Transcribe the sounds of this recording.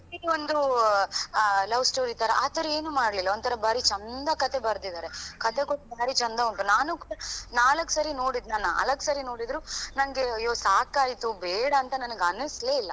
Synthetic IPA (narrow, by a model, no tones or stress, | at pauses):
idond̪u | lɐʋsʈoːɾit̪ɐɾɐʔaːt̪ɐɾɐe̞ːnumaːɽlilːɐont̪ʰɐɾɐbaːɾit͡ʃɐnd̪ɐkɐt̪e̞bɐɾd̪id̪aːɾe̞kɐt̪ekoʈːbaːɾit͡ʃɐnd̪ɐuɳʈunaːnukuːɽɐnaːlɐkːsɐɾino̞ːɽid̪nanːaɐ̰lɐkːsɐɾino̞ːɽid̪ɾunɐnɐɡe̞ɐjːoːsaːkaːjt̪ubɛːɽɐːnt̪ɐnɐnɐɡeɐnɐsle̞ilːɐ